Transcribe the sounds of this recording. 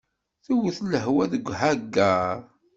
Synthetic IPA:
θuwəθləɦwæðəɡʷːɦæɡːaɾˤ

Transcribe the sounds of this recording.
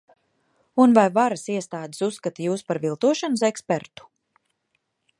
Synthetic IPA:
unvajvaɾasiɛst̪aːd̪e̥susːkat̪ajuːspaɾvilˠt̪uɔʃanusɛkspeɾt̪u̥

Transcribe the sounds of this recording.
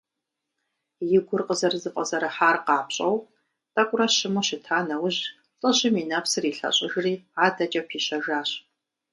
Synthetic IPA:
jɪɡʷʊrqəzɐrzɨqʼɐzɐɾɐħaːrqɑːpɕʼɐw | tʼɐkʷʼʊrɐɕɪmoɕɪtʰaːnɐwʊʑ | t͡sʼɐʑɪmiːnɐpsɨriːɬɐ̰ɕʼɪʒriːaːdɐt͡ʃʼɐpʰiːɕɐʒaːɕ

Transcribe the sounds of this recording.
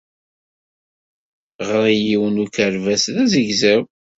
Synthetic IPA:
ʁəɾˤijiwənukəɾvæsðæzəɡzæw

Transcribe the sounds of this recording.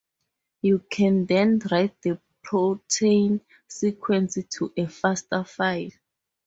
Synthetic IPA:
jukʰɛ̃ndɛ̃ndɹajt̚də | pʰotʰen | sikʰwɛ̃nsitʰuʔɛfastafajl

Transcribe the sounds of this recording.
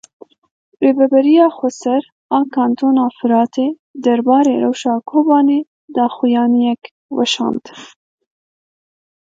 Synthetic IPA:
ɾebabaɾijɑxosəɾ | ɑkɑnt̪onɑːfɪɾɑːt̪ʰe | d̪əɾbɑːɾeɾa̰wʃɑːkʰobɑne | d̪ɑxujɑːnijak | wa̰ʃɑ̰nd̪

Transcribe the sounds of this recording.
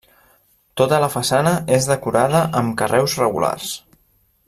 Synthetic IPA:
t̪ot̪ələfəsanəezðəkuɾaðəʔəmkərɛwzrəɣṵla̰rs

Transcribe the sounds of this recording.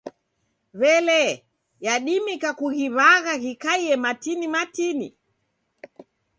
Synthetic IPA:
βɛlɛ | jaɗimikakuɣiβaɣaɣikaiɛmatinimatinḭ

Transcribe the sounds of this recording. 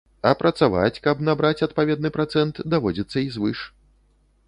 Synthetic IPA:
ɐpɾɐt̪sava̰t͡sʲkɐbnabɾat͡sʲɐt̪pavʲɛd̪̚nɨpɾat̪sɛnt̪d̪avɔd͡zʲɐt̪sːɐizvɨʂ

